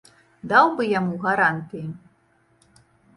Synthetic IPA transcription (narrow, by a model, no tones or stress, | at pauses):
d̪awbɨjamuɣaɾant̪ɨji